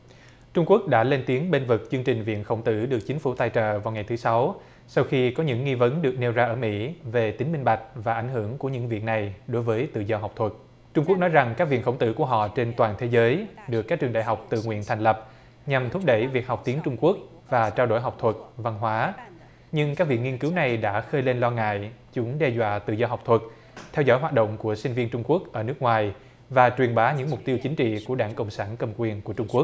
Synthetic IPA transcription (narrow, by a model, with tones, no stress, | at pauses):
t͡ɕʊ˧ŋ͡mku˦˥ək̚ɗa̰ː˧˥le˧nt̪i˨˦əŋɓe˧nvɨ˨˩k̚t͡ɕɨ˧əŋt͡ɕï˨˩ŋ̟vḭ˧˨ənxə˧˩wŋ͡mt̪ɨ̰˧˩ɗɨ˨˩ək̚t͡ɕï˨˦ŋfu˧˩t̪aː˧jt͡ɕə̰ː˧˨˩vaː˨˩wŋa˨˩jt̪ʰɨ˨˦sa˨˦w | sa˧wxi˧kɔ˨˦ɲɨ̰˧˥ŋːi˧və˨˦nɗɨ˨˩ək̚ne˧wzaː˧ʔəː˧˩mḭ˧˥ve˨˩t̪ï˨˦ŋmï˧ŋ̟ɓa˨˩jk̚vaː˨˩ʔa˧˩jŋ̟ɦɨ̰˧˩əŋku˧˩əɲɨ̰˧˥ŋvḭ˨˩ək̚na˨˩jɗo˨˦jvəː˨˦jt̪ɨ̰˧˨zɔ˧ɦa˨˩wk͡p̚t̪ʰwə˨˩t̚ | t͡ɕʊ˧ŋ͡mku˦˥k̚nɔ˨˦jza˨˩ŋkaː˦˥k̚vḭ˧˨nxə˧˩wŋ͡mt̪ɨ̰˧˥ku˧˩əɦɔ̰˧˨t͡ɕe˧nt̪waː˨˩nt̪ʰe˨˦zəː˨˦jɗɨ˨˩əkːaː˦˥k̚t͡ɕɨ˨˩ənɗa̰˧˨ɦa˨˩wk͡p̚t̪ɨ̰˧˨ŋwḭ˧˨ənt̪ʰa˨˩ŋ̟lə˨˩p̚ | ɲa˨˩mt̪ʰʊ˦˥pk͡p̚ɗə˧˩jvi˨˩ək̚ha˨˩wk͡p̚t̪i˨˦ənt͡ɕʊ˧ŋ͡mku˦˥ək̚ | vaː˨˩t͡ɕaː˧wɗo̰˧˩jɦa˨˩wk͡p̚t̪ʰwə˨˩t̚va˧nɦwaː˨˦ | ɲɨ˧ŋkaː˦˥k̚vḭ˧˨əŋi˧ənkɨ˨˦wna˨˩jɗa̰ː˧˥xəː˧jle˧nlɔ˧ŋa̰ː˧˨jt͡ɕʊ˨˦ŋ͡mɗɛ˧zwa̰ː˧˨t̪ɨ̰˧˨zɔ˧ɦa˨˩wk͡p̚t̪ʰwə˨˩t̚ | t̪ʰɛ˧wzɔ̰˧˥˩jɦwaː˨˩t̚ɗo̰˧˨wŋ͡mku˧˩əsï˧ŋ̟vi˧ənt͡ɕʊ˧ŋ͡mku˦˥ək̚ʔəː˧˩nɨ˦˥ək̚ŋwaː˨˩j | vaː˨˩t͡ɕwi˨˩ənɓaː˨˦ɲɨ̰˧˥ŋmʊ˨˩k͡p̚t̪i˧əwt͡ɕï˨˦ŋ̟t͡ɕḭ˧˨ku˧˩əɗaː˧˩ŋkə̰˧˨wŋ͡msaː˧˩nkə˧mkwi˨˩ənku˧˩ət͡ɕʊ˧ŋ͡mku˦˥ək̚